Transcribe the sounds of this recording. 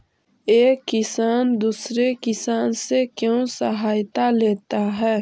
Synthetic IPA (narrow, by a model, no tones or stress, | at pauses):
eːkːɪsaːnd̪uːsɾekɪsaːnsekjõːsəɦaːjt̪aleːt̪aɦɛː